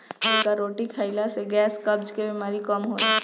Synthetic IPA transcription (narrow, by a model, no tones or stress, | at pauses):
ɪnkaɾoːʈikʰəɪlaseɡɛːskɐb̚d͡ʒkebimaːɾikɐmɦoːi